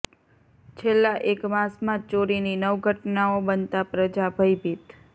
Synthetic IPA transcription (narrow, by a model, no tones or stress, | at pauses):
t͡ʃʰelːãʔekmãsmãt͡ʃoɾininəʋɡʱəʈnaobənt̪apɾəd͡ʒabʱəjbʱit̪